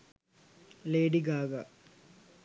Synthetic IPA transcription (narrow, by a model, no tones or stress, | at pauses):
leːɖiɡaːɡa